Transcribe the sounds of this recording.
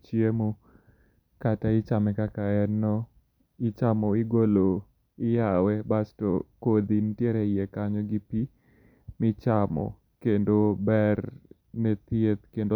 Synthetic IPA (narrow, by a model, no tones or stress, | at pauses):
t͡ʃjemo | kataɪt͡ʃamɛkakaɛnːɔ | ɪt͡ʃamɔɪɡolo | ɪjawɛbastɔ̰kod̪intjeɾɛjekaɲɔɡipi | mɪt͡ʃamɔ̰ | kendobɛr | nɛt̪jet̪kendo